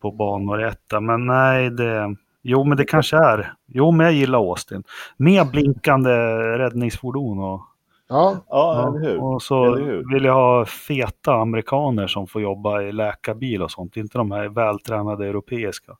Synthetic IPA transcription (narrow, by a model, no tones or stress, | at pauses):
pʰɔbɑːnʊɾɛt̪ʰːamɛnːɛɪd̪ɛ | juːmɛnd̪ɛkʰanʂəæɾjuːmɛnjajɪlːaɾoːst̪ɪnmeːɾblɪŋkand̪əɾɛd̪nɪŋsfʊɖuːnɔ | ʉɔsɔvɪljaɦɑːfeːt̪aːmɛɾɪkʰɑːnəʂɔmfoːɾjɔbːaɪlɛːkabiːlɔsɔnt̪ːɛɪnt̪əd̪ɔmhæɾvɛːlt̪ʰɾɛːnad̪əɛʉɾʊpʰeːɪska